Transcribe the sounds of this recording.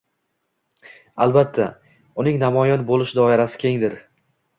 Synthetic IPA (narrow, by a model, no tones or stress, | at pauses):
alˠbat̪ʰːa | ʊnɪŋnamɒjɒnbolˠɪʃd̪ɒɪɾasɪ̥kʲʰeŋd̪ɪɾ